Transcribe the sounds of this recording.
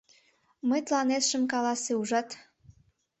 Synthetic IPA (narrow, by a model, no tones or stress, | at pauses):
məjt̪lɑnet̪ʃəmkɑlɑseuʒɑt̪